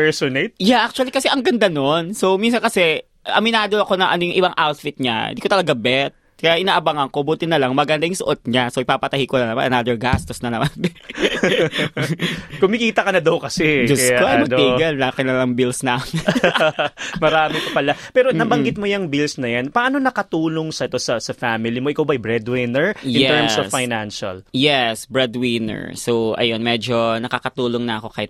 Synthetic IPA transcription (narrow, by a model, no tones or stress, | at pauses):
pɛɹsonet̪̚jaʔak̚t͡ʃʊwɐlikɐsɛʔɐŋɡɐnd̪ano̞nso̞wminsɐnkɐsɛ | ʔɐ̰mɪnaːd̪oɐko̞nɐŋʔɐ̰nojʊŋʔɪbaŋʔawt̪fit̪̚ɲa̰ɪ̰d̪ikot̪ɐlɐɡabɛt̪̚ | kɐjaʔɪnaːʔɐbaŋɐŋko̞buːt̪ɪnɐlɐŋmɐɡɐnd̪ajʊŋsʊʔot̪̚ɲasoʔɪpapɐt̪ɐhikonɐnɐma̰nʔɐ̰naːd̪ɛɹɡast̪osnɐnɐmanb | kʊmɪkiːt̪ɐkɐnɐd̪ɐwkɐsɛd͡ʒʊksoɐjmɐɡniɡɐllaːkɛnɐlɐŋbilsnan | mɐɾaːmɪpɐpɐlapɛːɾonɐbɐŋɡɪt̪̚mojɐŋbilsnɐjanpɐʔano̞nɐkɐt̪uːloŋsɐʔɛt̪o̞sɐsɐfamɪlimoʔɪkawbɐʔɐjbɹɛd̪wɪnɛɹʔjɪnɛt̪ɛɹmsɔfajnanʃɐ̰ljɛsbɹɛd̪wɪnɛ̰ɹsowʔɐ̰jonmɛd͡ʒo̞nɐkakɐt̪uːloŋnɐʔɐko̞kaːhɪt̪